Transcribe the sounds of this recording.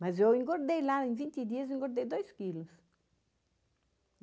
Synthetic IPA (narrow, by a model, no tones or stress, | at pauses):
mɐzewĩŋɡoɾd̪ejladẽvĩnt̪id̪iɐzĩŋɡoɾd̪ejd̪ojskilʊs